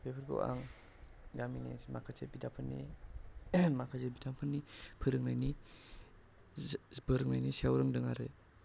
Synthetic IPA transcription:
pʰepʰɯɾɡo̰wʔa̰ŋ | ɡaminḭmakʰasebidapʰɯnːḭ | makʰazebidampʰɯnːipʰɯɾɯŋnajni | bɯɾɯŋna̰jniseawɾɯŋdɯŋaɾe

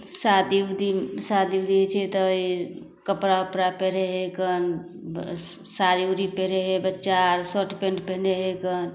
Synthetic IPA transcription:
sad̪iwd̪isad̪iwd̪iɦet͡ʃʰɛt̪ɔi | kəpɾaəpɾapeɾeɦekən | saɾiuɾipeɾeɦebətːʃaɾsoʈpẽɳɖpeɦneɦekən

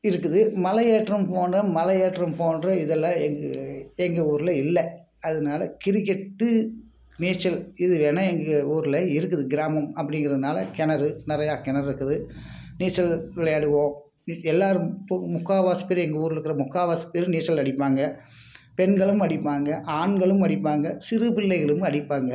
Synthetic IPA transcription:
ɪɾɯkːɯðɯmɐlɐjeːʈɾɐmpoːnrɐmɐlɐjeːʈrɐmpoːnrɐɪðɐlːaɛŋɡɐɛŋɡɐuːɾɪlɐɪlːɐ | ɐðɐnaːlɐ̰kɪɾɪkːɛʈːɯ | neːt͡ʃːɐlɪðɯʋeːnɐɛŋɡɐuːɾɯlɐɪɾɯkːɯðɯɡɪɾaːmɐmɐpːɐɽɪŋɡɪɾɐðɯnaːlɐkɛnɐɾɯnɪɾɐjaːkɛnɐɾɪɾɯkːɯðɯ | niːsɐlʋɪɭɐjaːɽɯʋõː | ɛlːaːɾɯmpmʊkːaːʋaːspeːɾɛŋɡɐuːɾɯɾɯkːɯɾɐmʊkːaːʋaːspeːɾɯniːsɐlɐɽɪpːaːŋɡɐ | pɛnɡɐɭɯmɐɽɪpːaːŋɡɐʔaːɳɡɐɭɯmɐɽɪpːaːŋɡɐsɪrɯpɪɭːɐɪɣɐɭɯmɐɽɪpːaːŋɡɐ

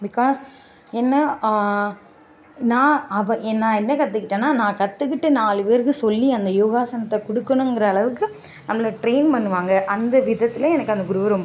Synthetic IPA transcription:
bɪkaːs | ɛnːɐ | nãːɐʋɐ̃ʔnːãːɛnːɐkɐt̪ːɯkːɪʈːẽːnːaːnãːkɐt̪ːɯkːɪʈːɯnaːlɯpeːɾɣɯsɔlːiɐnd̪ɐjuːɣaːsɐnɐt̪ːɐkɔɽɯkːɐnʊ̃ŋɡɪɾɐɐɭɐʋɯkːɯ | nɐmːɐɭɐʈɾeɪnpɐnːɯʋaːŋɡɐʔɐnd̪ɐʋɪðɐt̪ːɪlɐɛnɐkːɯɐnd̪ɐɡʊɾɯʋɐɾɔmbɐ

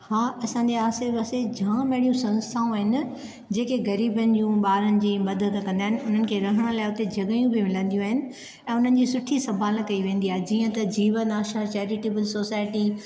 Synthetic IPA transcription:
haːɐsãːɲd͡ʑeaːseʋɐsed͡ʑʱãːmɛɦɽijũsɐ̃nst̪ʰaːũaːɦɪnɪ̆ | d͡ʑeːkeɡɐɾiːbənɪ̆d͡ʑũɓaːɾənɪ̆d͡ʑiːmɐd̪ʱəd̪kɐ̃nd̪aːɦɪnɪʊn̤ənɪ̆kʰeːɾɐɦəɽ̃ə̆laːɪʊt̪ed͡ʑʱɐɡəjũbɪmɪlə̃nd̪ijũaːɦɪnɪ̆ | ɛ̃ːʊn̤ənɪ̆d͡ʑiːsʊʈʰisɐbʱaːlə̃kɐiʋẽːnd̪iaːɦed͡ʑiːə̃t̪ɐd͡ʑiːʋənaːʃaːt͡ɕɛːɾɪʈeːbəlsoːsaːɪʈi

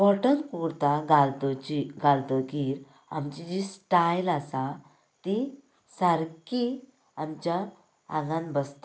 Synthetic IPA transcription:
pɔʈənkuɾt̪aɡalt̪ɔiɡalt̪əkiɾ | a̰mt͡ɕid͡ʑisʈajlasa | t̪i | saɾki | amt͡ɕja | ã̰ŋɡãnbəst̪

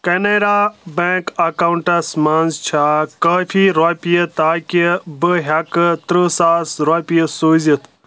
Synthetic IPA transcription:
keneɾabekɐkawuɳʈɐsmãːnzt͡ʃʰakɐːfʰiɾɔpijət̪aːkibɨɦʲakt̪ɾəsaːsɾapijəsoːzit̪ʰ

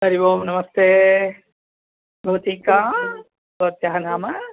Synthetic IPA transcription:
sɐɾiboːmnɐmɐst̪eː | bʱoːt̪ika | bot̪jaɦnaːmɐ

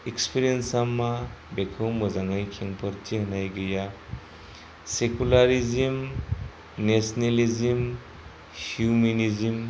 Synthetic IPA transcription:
ekspʰiɾiensamabekʰɔwmbɔzaŋajkʰeŋpʰɔɾtʰihɐnajɡɯja | sekulaɾizim | nesnelizim | huminizim

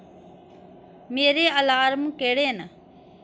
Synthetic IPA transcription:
meːɾeːəlaːɾmũkeːɽeːnə

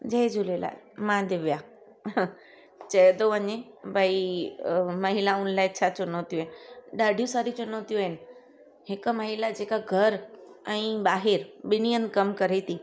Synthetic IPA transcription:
d͡ʑɐɦed͡ʑʊlela̰ːmãd̪ɪʋija | t͡ɕɐjd̪oʋəɲe | bʱai | mɐɦilaʊnlaːɪt͡ɕʰat͡ɕʊnõt̪ijũɦenɪɗaːɖʱijũsaːɾit͡ɕʊnõt̪ijũɦɪnɪ̆ | ɦɪk̆mɐɦilad͡ʑeːkaɡʱɐɾɛ̃ːɓaːɦɪɾɓɪnijənɪ̆kɐmkɐɾet̪ʰi

